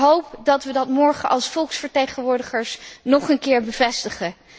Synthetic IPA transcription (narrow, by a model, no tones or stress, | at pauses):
ɦowpdɑtʋədɑtmɔɹχəʔɑlˠsfɔlˠksfəɹtejχənʋʊːɹdəχəɹsnɔχənkɪːɹbəvɛstəχə